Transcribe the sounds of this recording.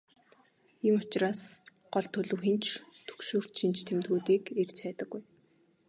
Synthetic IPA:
imʊt͡ɕraːs | ɢ̥ɔɮt̪ʰːɵɮŭːxent͡ɕt̪ʰɵ̥kʃoːr̥t̪ʃint͡ɕt̪ʰemt̪̚ɡuːt̪iːkert͡ɕæːt̪ə̆ɡːuj

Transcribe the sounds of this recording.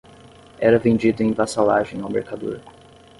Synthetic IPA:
ɛɾɐvẽnd͡ʒid̪ʊẽj̃basalaʒẽj̃awmḛɾkad̪ṵɾ

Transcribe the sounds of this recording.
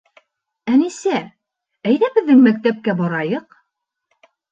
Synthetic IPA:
ænisæ | æjðæbɘ̆ðːɘŋmæk̚t̪æp̚kæbɒɾɑjɤq

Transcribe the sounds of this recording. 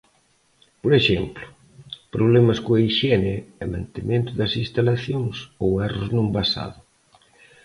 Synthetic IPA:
poɾeʃɛmplʊ̥ | pɾoβ̞lɛmɐskoaiʃɛnɪɛmã̰nt̪emẽnt̪ʊðɐsĩnst̪alaθjoŋsowɛroznõmbasa̰ðʊ

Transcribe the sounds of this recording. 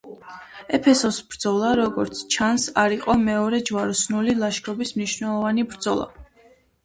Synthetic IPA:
ɛpʰɛsɔsbɾd̪zɔlˠaɾɔɡɔɾt̪sʰt͡ʃʰansaɾiqʼɔmɛɔɾɛd͡ʒwaɾusnulilˠaʃkʼɔbismniʃvnɛlˠɔvanibɾd̪zɔlˠa̰

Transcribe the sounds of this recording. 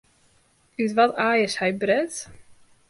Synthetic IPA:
ytʋɔtaːjəshɛjbrɛt

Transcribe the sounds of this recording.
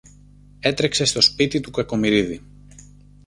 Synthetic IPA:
e̞t̪ɾe̞kse̞st̪o̞spit̪it̪ukɐko̞miɾiði

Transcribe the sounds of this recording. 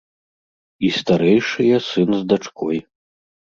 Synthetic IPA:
ist̪aɾɛjʂɨjɐsɨnzd̪at͡ʂkʰɔj

